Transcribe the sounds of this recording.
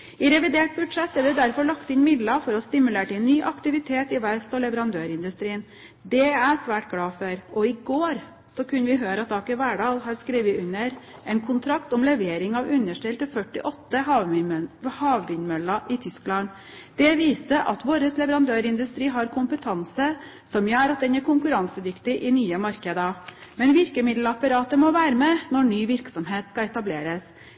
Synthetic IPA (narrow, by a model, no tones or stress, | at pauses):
ɪɾɛʋɪd̪eːʈ̚bʉd̪ʂɛt̪ːɛɾd̪ɛd̪æɾfɔɭɑkt̪ɪnmɪd̪lɑfɔɾɔst̪ɪmʉleːʈɪnːyːʔɑkt̪ɪʋɪt̪ʰeːt̪ɪʋæɪst̪ɔlɛʋəɾɑnd̪øːɾɪnd̪ʉst̪ɾiːən | d̪ɛæɾsʋæːʈɡɽɑːfœɾɔɪɡoːɾ | sɔkʰʉnːʋɪɦøːɾɑt̪̚ːɑːkɪʋæɖɑːlɦɑɾskɾiːʋəʉnəɾɛnkʰʊnt̪ʰɾɑkt̪ɔmlɛʋeːɾɪŋɑʋʉnːəʂʈɛlt̪əfœʈːɪʔɔt̪ːəɦɑ | hɑːʋbɪnmœlɑʔɪt̪ʰʏsklɑn | d̪̥ɛʋiːsəʔɑ̰t̪ʋoːɾəslɛʋəɾɑnd̪øːɾɪnd̪ʉst̪ɾiːɦɑɾkʰʊmpət̪ʰɑnsə | sɔmjøːɾɑt̪̚d̪ɛnæɾkʰʊŋkʉɾɑŋsəd̪ʏkt̪ɪʔɪnyːəmɑɾkəd̪ɑmɛnʋɪɾkəmɪd̪l̩ɑpɑɾɑːt̪əmɔʋæːɾəmɛnɔɳyːʋɪɾksɔmɦeːt̪skɑɛt̪ɑbleːɾəs